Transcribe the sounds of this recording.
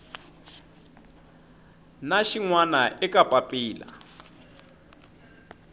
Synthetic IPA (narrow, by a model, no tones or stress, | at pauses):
naʃiŋwanaʔɛkʼapʼapʼiːla̰